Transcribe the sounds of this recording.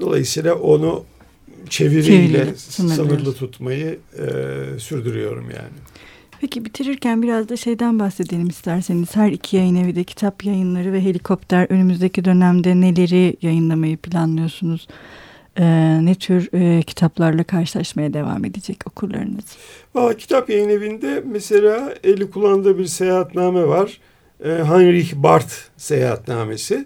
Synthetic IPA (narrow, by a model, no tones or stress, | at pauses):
d̪o̞̰lˠa̰jɯsijlˠaʔo̞nu | t͡ʃʰe̞viɾilʲɛsɯnɯɯnɯɾlˠɯt̪ʰut̪majɯ | syɾd̪yɾyjo̞̰ɾṵmja̰ːnɪ | pʰecibit̪ʰiɾiɾcænbiɾazd̪aʃe̞jd̪ænbaxse̞d̪e̞lʲimist̪ʰæɾse̞niz̥hæɾicʰijajɯnevid̪ɛcʰi̥t̪ʰapjajɯnlˠaɾɯvɛɦe̞lʲikʰo̞pt̪ʰæɾø̞nymyzd̪ecʰid̪ø̞næmd̪ɛne̞lʲe̞ɾijajɯnlˠamajɯpʰilʲanlˠɯjo̞sunuz̥ | ɯːnɛt̪ʰyɾcʰi̥t̪ʰaplˠaɾlˠakʰaɾʃɯ̥lˠaʃmajad̪e̞va̰ːme̞d̪ed͡ʒɛco̞kʰuɾlˠa̰ɾɯnɯz̥valˠːaːcʰi̥t̪ʰapjajɯne̞vind̪ɛmese̞lʲaːelʲːikʰulˠand̪ɯbiɾsejaat̪naːmɛvaɾ̥ | ɦanɾiçbaɾt̪ | sejaːa̰t̪naːme̞sɪ